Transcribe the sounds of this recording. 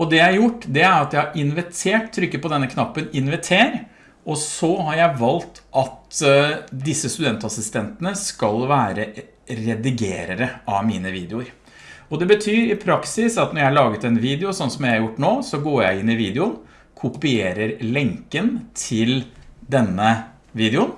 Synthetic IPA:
ɔd̪ɛjæɪhæɾjʊʈːd̪ɛæɾɑt̪jæɪhɑɾɪnʋɪt̪ʰeːʈt̪ʰːɾʏkːəpɔd̪ɛnːəkʰnɑpːənɪnʋɪt̪ʰeːɾ | ɔsɔhɑɾjæɪʋɑlt̪ʔɑt̪ | d̪ɪsːəst̪ʉd̪ɛnt̪ɑsɪst̪ɛnt̪ənəskɑlʋæːɾə | ɾɛd̪ɪɡḛːɾəɾəʔɑʋmiːnəʋiːd̪ɛʊɾ | ɔd̪ɛbət̪ʰyːɾɪpʰɾɑksɪsɑt̪nɔɾjæhɑɭɑːɡət̪ɛnʋiːd̪ɛʊsɔnsɔmæjæɑɾjʊʈːnoːsɔɡoːɾjæɪɪnːɪʋiːd̪əʊn | kʰʊpɪeːɾəɾlɛŋkənt̪ʰɪld̪ɛnːə | ʋiːd̪ɛʊn

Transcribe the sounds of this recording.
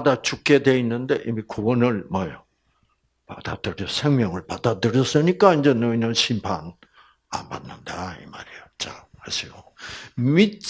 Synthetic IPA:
padat͡ɕuk͈e̞dwe̞inːɯnde̞ʔimikowʌnɯɭmʌjo | pad̥adɯɾjʌsʰe̞ŋmjʌŋɯɭpad̥adɯɾjʌs͈ɯɲik͈aind͡ʑe̞nʌinʌnɕʰimpʰan | a̰nba̰nːɯndaḭmaɾijʌt͡ɕ͈ahasʰijo | mit͡ɕ

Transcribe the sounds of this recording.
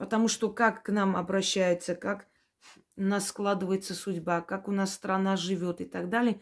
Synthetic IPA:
pət̪ɐmuʂt̪okakːnamɐ̰bɾɐɕːæjɪt̪səkak | nasːklˠad̪ɨvəjɪt̪səsʊdʲbakakʊnassːt̪ɾɐnaʐɨvʲot̪ɨt̪aɡd̪alʲɪə

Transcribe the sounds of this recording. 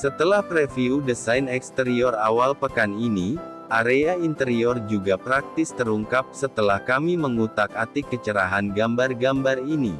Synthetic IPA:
sət̪əlahpɾefiudəsainɛkst̪əɾiɔrawalpəkanini | ʔaɾeaint̪əɾiɔrd͡ʒuɡapɾak̚t̪ɪst̪əɾuŋkap̚sət̪əlahkamiməŋut̪akat̪ikət͡ʃəɾaɦanɡambarɡambarini

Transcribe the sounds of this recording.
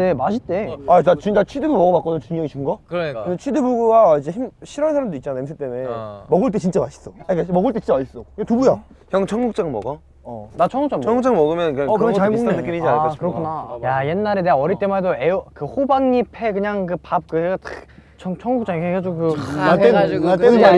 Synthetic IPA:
emaɕʰit͈eatat͡ɕit͡ɕ͈at͡ɕʰidɯbumʌɡʌmak͈ʌnɯnt͡ɕuŋjʌŋiɕʰimɡʌkɯɾkɯndet͡ɕʰidɯbuɡuwaid͡ʑeçimɕʰiɾʌnsʰaɾamdoit̚t͡ɕanaems̬ʰɯt͈e̞memʌɡɯɭt̬͈et͡ɕint͡ɕ͈amaɕʰi̥s͈ʌajk͈amʌɡɯɭt͈et͡ɕint͡ɕaas͈ʌketubuja | çjʌŋt͡ɕʰʌŋɡuk̚t͡ɕ͈aŋmʌ̰ɡʌ | ʌnat͡ɕʰʌŋɡukt͡ɕ͈aŋt͡ɕʰʌŋɡuk̚t͡ɕ͈aŋmʌɡɯmjʌnnkɯakɯenɯk͈iɾid͡ʑian͈ɕikɯɾʌkʰunajaje̞nːaɾeneɡaʌɾit͈e̞maedoeokɯhobaŋɲipʰe̞kɯɲaŋkɯpap̚kɯeɡatt͡ɕʰʌŋt͡ɕʰʌŋɡukt͡ɕ͈aŋekeɡad͡ʑoɡukɯanaeat͈enɯaɾi

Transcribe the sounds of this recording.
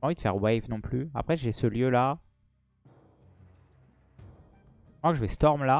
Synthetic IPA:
ɑ̃vid̪əfɛ̰ʁwɛjvnɔ̃plya̰pχɛʒesəljøla | mwakəʒəvɛst̪ɔʁmla

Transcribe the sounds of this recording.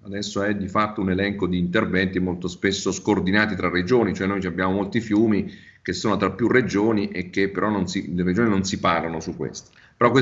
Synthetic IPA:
ad̪ɛsːoɛd̪ifat̪ːounelɛŋkod̪iːnt̪ervɛnt̪imolt̪ospesːoskoːrd̪inaːt̪it̪ɾarːed͡ʒoːnit͡ʃoɛnojt͡ʃabːjaːmomolt̪ifjuːmi | k̟esːoːnot̪ɾapːjurːed͡ʒoːniʔek̟ːepːeɾɔnːonsilered͡ʒoːninonsipaːɾlonosukːwḛst̪o̥ | peɾɔkːwe

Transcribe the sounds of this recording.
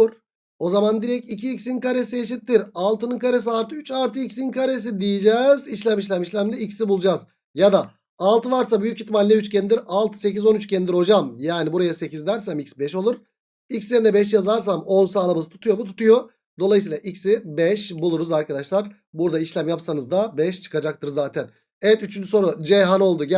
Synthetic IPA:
ɾ | o̞zamand̪iɾɛcicʰiːcsinkaɾesieʃ̬it̪ːiɾalˠt̪ɯnɯnkaɾesiaɾt̪ʰɯyt͡ʃaɾt̪ɯicsinkʰaɾes̬id̪ijed͡ʒɛziʃlʲæmiʃ̬lʲæmiʃlʲæmlʲiicsibulˠd͡ʒaz | jad̪aː | lˠt̪ʰɯvaɾs̬abyjycit̪manlʲɛyt͡ʃcʰɛnid̪iɾalˠt̪ʰɯ̥se̞cizo̞nyt͡ʃcʰenid̪iɾho̞d͡ʒamjaːnibuɾajasecizd̪æɾsæmicsbɛʃo̞lˠuɾ̥ | icsjeɾind̪ɛbɛʃ̬jazaɾs̬amo̞nsaːlˠamazɯt̪ʰu̥t̪ʰujo̞mut̪ʰu̥t̪ujo̞ | d̪o̞lˠajɯsiːlˠaʔicsibɛʃbulˠuɾuzaɾkʰad̪aʃlˠaɾ | buɾd̪aiʃlʲæmjapsanɯzd̪abɛʃt͡ʃʰɯ̥kad͡ʒak̚t̪ʰɯɾzaːt̪ʰæn | ejɛt̪yt͡ʃʰynd͡ʒyso̞ɾud͡ʒejɦano̞lˠd̪uɟ

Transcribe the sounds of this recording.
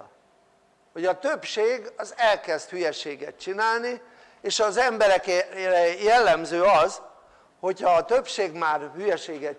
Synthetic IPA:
ho̞ɟɒt̪øpʃeːɡɒzɛlkɛzt̪hyjɛʃeːɡɛ̰t̪t͡ʃinaːlni | eːʃɒzɛmbɛɾɛkrɛjɛlːɛmzøːɒz | ho̞chɒːt̪øpʃeːɡmaːrhyjɛʃeːɡɛt

